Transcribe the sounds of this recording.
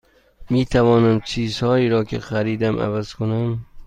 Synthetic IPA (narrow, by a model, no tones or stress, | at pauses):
mit̪ʰavɒːnamt͡ʃʰiz̥hɒːiːɾɒːkʰʲɪxaɾiːd̪amæ̰vaz̥kʰonam